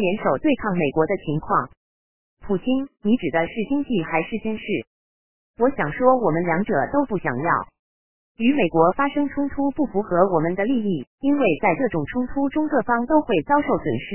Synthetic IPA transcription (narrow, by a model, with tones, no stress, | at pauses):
jɛ˧˥nʂo˨˩ʊt̪we˥˧ɪkʰɑ˥˩ŋme˨˩ɪkwɔ˧˥d̪ə˧t͡ɕʰi˧˥ŋkʰwɑ˥˩ŋ | pʰu˨˩t͡ɕʰi˥nni˧˥ʈ͡ʂɻ̩˨˩d̪ə˦ʂɻ̩˥˩t͡ɕi˥ŋt͡ɕi˥˩xa˧˥ɪʂɻ̩˥˩t͡ɕy˥nʂɻ̩˥˩ | wɔ˧˥ɕjɑ˨˩ŋʂwɔ˥wɔ˨˩mə˦nljɑ˧˥ŋʈ͡ʂɤ˨˩t̪o˥ʊpu˥˩ɕjɑ̰˨˩ŋjɑ˥˩ʊ | y˧˥me˨˩ɪkwɔ˧˥fa˥ʂɤ˥ŋʈ͡ʂʰʊ˥ŋt̪ʰu˥pu˥˩fu˧˥xɤ˧˥wɔ˨˩mə˦nd̪ə˧li˥˧i˥˩i˥nwe˥˧ɪt͡sa˥˧ɪʈ͡ʂɤ˥˩ʈ͡ʂʊ˨˩ŋʈ͡ʂʰʊ˥ŋt̪ʰu˥ʈ͡ʂʊ˥ŋkɤ˥˩fɑ˥ŋt̪o˥ʊxwe˥˩ɪt͡sɑ˥ʊʂo˥˩ʊswə̰˨˩nʂɻ̩˥˩